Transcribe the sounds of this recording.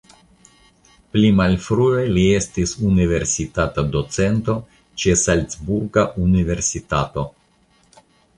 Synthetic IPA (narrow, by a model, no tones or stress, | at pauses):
plimalfɾuelie̞stisunive̞ɾsitatadot͡se̞nto̞ | t͡ʃesalt͡sbuɾɡaʔunive̞ɾsitato̞